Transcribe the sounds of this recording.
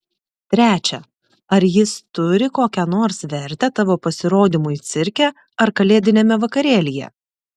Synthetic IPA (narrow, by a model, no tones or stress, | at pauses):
t̪ʲɾʲæːt͡ʃʲɛ | ɐɾjɪst̪ʊɾʲɪkoːkʲɛnoːɾsʋʲɛɾʲt̪ʲɛt̪ɐʋoːpɐsʲɪɾoːd̪ʲɪmʊit̪sʲɪɾʲkʲɛ | ɐɾkɐlʲeːd̪ʲɪnʲeːmʲɛʋɐkɐɾʲeːlʲɪjɛ̰